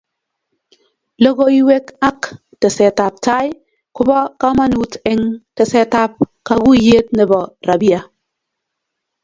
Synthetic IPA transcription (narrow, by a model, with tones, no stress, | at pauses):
lɔ˦ɡo˦i˦we˦ka˦k | tɛ˨sɛ˨ta˨p̚ta˦j | kʊ˦bɔ˦ka˦ma˦nu˨˦tɪ˦ŋtɛ˨sɛ˨ta˦p̚ka˨ɡu˦je˦tnɛ˨bɔ˨ɾa˨bi˦a˨